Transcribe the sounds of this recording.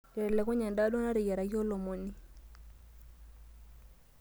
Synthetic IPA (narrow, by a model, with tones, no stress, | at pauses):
ɛ˨ɛ˨lɛ˨kɔ˦ɲa˨nda˦dɔ˦na˦ɾɪ˨jɛ˨ɾa˨jɔ˦lɔ˨mo˨ni˦